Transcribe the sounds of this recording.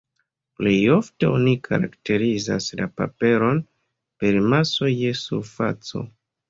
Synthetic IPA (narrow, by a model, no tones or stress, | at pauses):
ple̞jo̞fte̞o̞nikʰa̰ɾakte̞ɾiza̰slapa̰pe̞ɾo̞n | pe̞ɾmaso̞je̞suɾfa̰t͡so̞̰